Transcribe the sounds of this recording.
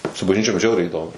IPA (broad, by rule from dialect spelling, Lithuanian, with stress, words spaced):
sʊ bɐʒʲˈnʲiːt͡ʃʲoːm ˈʒʲɛʊrʲɛɪ ɪˈdoːmʊ